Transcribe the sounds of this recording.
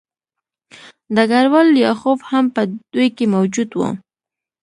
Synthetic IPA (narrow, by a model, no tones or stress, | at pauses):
d̪əɡaɾwaljɑxofhampəd̪̥ujkemawd͡ʒud̪wṵ